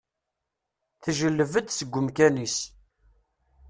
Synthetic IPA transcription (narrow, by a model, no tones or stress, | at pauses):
θʒəlːəvəd̪səɡʷːəmkænis